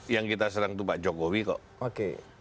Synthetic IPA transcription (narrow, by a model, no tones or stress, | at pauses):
jaŋkit̪asənaŋt̪upaʔd͡ʒokowikɔ̰ʔ | okḛ